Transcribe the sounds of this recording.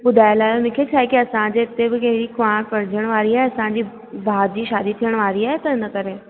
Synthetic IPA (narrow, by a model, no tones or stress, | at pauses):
bʊd̪ʱaːɪlaːjonɪ̃kʰet͡ɕʰaːɦekiɐsãd͡ʑeɪt̪ebɪkɐɦɪɽikãkɐɾɪd͡ʑəɽ̃ʋaːɾiaːɦeɐsãd͡ʑiː | bʱaːd͡ʑiːʃaːd̪it̪ʰijəɽ̃ʋaːɾiaːɦet̪ɐɪnɐkɐɾeː